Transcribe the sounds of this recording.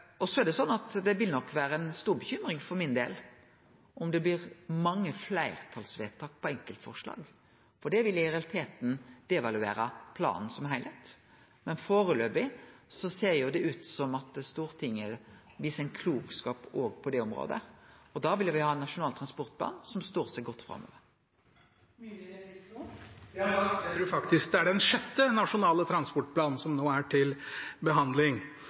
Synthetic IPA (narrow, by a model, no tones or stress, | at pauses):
ɔsɔæɾɖ̪ɛsɔnːɑt̪d̪ɛʋɪlnɔkːʋæːɾəɛnst̪uːɾbəçʏmɾɪŋfɔɾmɪnd̪ḛːl | ʔɔmd̪ɛblɪʁmɑŋːəflæɪʁt̪ʰɑlsʋeːt̪ʰɑːk̚pʰɔɛŋkəlt̪fɔ̰ʁʂlɑ̰ːɡ | fɔɖɛʋɪlɪʁɛɑlɪt̪ʰeːt̪n̩d̪̥ɛʋɑlʉḛːɾəpʰlɑ̰ːnn̩sɔmɦæɪlæt̪ | mɛnfoːɾəløːbɪsɔseːʁjʊd̪ɛʉːt̪sɔmɑt̪st̪uːɾt̪ʰɪŋːə | ʋiːsɛnkʰluːkskɑːpoːɡpʰɔd̪ɛɔmʁo̰ːd̪ə̰ɔd̪ɑʋɪljʊʋɪhɑːɛnːɑʂʊnɑːlt̪ʰʁɑnspɔʁt̪̚b̪ɑ̰ːnsɔmst̪oːʁsɛɡɔt̪ːfɾɑ̰mːø̰ːʋəɾ | ɾuːɾfɑkt̪ɪskd̪ɛæɖɛnʂœt̪ːənɑʂʊnɑːlət̪ʰɾɑnspɔʈ̚pʰlɑːnn̩sɔmnoːæʈʰɪlbəɦɑnd̪lɪŋ